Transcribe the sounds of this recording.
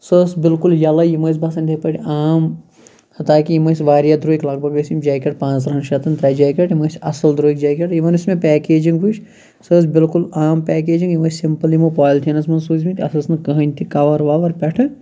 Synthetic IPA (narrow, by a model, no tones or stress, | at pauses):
səːsbɪlkuljɐlɐjimɐːs̬bɐsɐnʲd̪ʰʲepɐʈʲiaːm | hɐt̪aːkijimɐsʋaːɾjad̪ɾuːiklɐɡ̚bʱɐɡɐsimd͡ʒaːkʲeʈ̚pãːt͡s̪ɾɐɦɐnʃɐt̪ɐnt̪ɾɐːjd͡ʒaːkʲeʈjimɐsʲɐsɐld̪ɾoːik̚d͡ʒaːkʲeʈjiʋɐnɨsmẽpɛːkeːd͡ʒiŋɡʋut͡ʃʰ | səːs̬bɪlkulaːmpʲɛːkeːd͡ʒiŋɡjimɐsʲsimpɐljimɐpaːjlt̪ʰinɐsmɐnsuːzʲmĩt̪ʲɐ̰sɐsnɨkɐɦɐnʲt̪ʰikɐʋɐɾʋaːʋɐɾpʲɛʈʰɐ